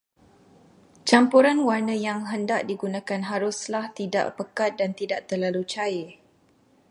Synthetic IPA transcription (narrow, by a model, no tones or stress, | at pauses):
t͡ʃampuɾanwarnə̃jaŋɦəndaʔ̚diɡunãkanɦaɾʊslaht̪ida̰ʔpəkat̪̚dant̪idaʔ̚t̪ərlalut͡ʃaɪ